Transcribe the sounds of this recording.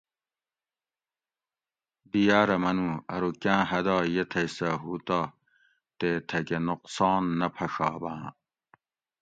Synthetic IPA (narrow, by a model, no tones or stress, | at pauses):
b̪ijaːɾɐmɐnũːɐɾukãːɦɐd̪ɑːjet̪ʰɐjsɐɦuːt̪aː | t̪eːt̪ʰɐkenuqsɑːnːɐpʰɐʂaːbãː